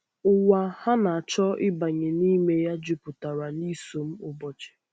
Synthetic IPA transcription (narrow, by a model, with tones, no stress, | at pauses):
ʊ˨wa˨ha˦na˨a˨t͡ʃɔ˦ɪ˦ba˨ɲe˨ni˦me˦ja˦d͡ʒu˦pʊ˨ta˨ɾa˨ni˦so˨m̩˦ʊ˦bɔ˨t͡ʃe̥˨